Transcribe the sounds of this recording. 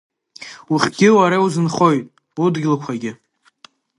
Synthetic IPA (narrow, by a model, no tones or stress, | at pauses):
uχʲɡ̥ʲɪwaɾauzɨnχo̞jtʼ | udɡʲlakʷʰaɡʲɪ